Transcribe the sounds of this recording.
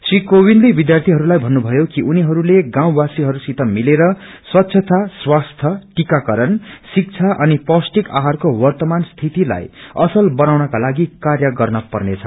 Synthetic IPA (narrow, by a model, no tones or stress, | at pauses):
srikowinlebid̪jart̪ʰiɦʌɾulajbʱʌnːubʱʌjokiʔuniɦʌɾuleɡãw̃basiɦʌɾusit̪ʌmileɾʌ | swʌt̪ːsʰʌt̪ʰaswast̪ʰjʌʈikakʌɾʌnsik̚t͡sʰaʔʌnipʌsʈika̰ɦarkowʌrt̪ʌmanst̪ʰit̪ila̰jʌsʌlbʌnawnʌkalaɡikarjʌɡʌrnʌpʌrnet͡sʰʌ